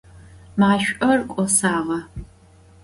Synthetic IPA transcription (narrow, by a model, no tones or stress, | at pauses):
maaʃʷʔɐrkʷʼɔsaːʁɐ